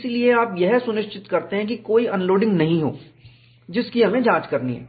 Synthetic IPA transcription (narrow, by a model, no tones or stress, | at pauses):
slieaːpjɛɦsʊnɪʃt͡ʃɪt̪kɐɾt̪eɦɛ̃k̬ikoːiʔɐːnloːɖɪ̃ŋɡnɐɦĩɦo̰ː | d͡ʒɪskiɦɐmẽd͡ʒãːt͡ʃkɐɾnḭɦɛ̰ː